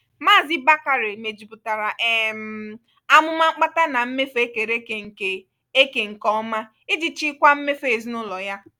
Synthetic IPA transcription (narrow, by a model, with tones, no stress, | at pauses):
maː˦˨zɪ˦ba˦ka˨ɾe˨me˨d͡ʒi˨pʊ˨ta˨ɾa˨ʔe˨m̩˨˦ | a˦mʊ˦ma˦k͡pa˦ta˦na˨m̩˦me˦fe˦ke˨ɾe˦ke˨ŋ̩˨ke˨ | e˦ke˨ŋ̩˨kɔ˦ma˦ | ɪ˦di˨t͡ʃi˦kʷa˦m̩˦me˦fe˦˨zi˦nʊ˦lɔ˨ja˦